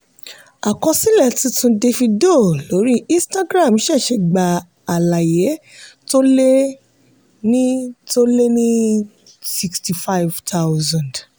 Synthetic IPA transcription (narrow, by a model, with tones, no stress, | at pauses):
a˨kɔ̃˧sĩ˦lɛ˦˨tĩ˧tũ˧de˧fĩ˧do˦˨lo˨˦ɾi˦ĩ˦sta˦ɡɾa˦˨m˦ʃɛ˦˨ʃe˧˨ɡ͡ba˨ | a˨la˨je˨˦ | to˦le˦ | nĩ˦to˦le˦nĩ˦ | si˧ksti˨fa˦i˨vtʰa˦wzã˨nd